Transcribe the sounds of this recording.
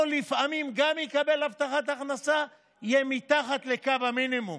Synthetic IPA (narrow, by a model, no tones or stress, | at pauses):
lifʔamimɡamikabe̞laft̪aχat̪aχnasa | jemit̪aχat̪le̞kavhaminimum